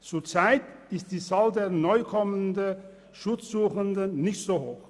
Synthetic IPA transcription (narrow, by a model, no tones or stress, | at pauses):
t͡suːɐt͡saɪtɪst̚d̥iːt͡saːldeːɐnɔʏkʰɔməndə | ʃʊt͡sz̥uːxəndənnɪçtz̥oːhoːx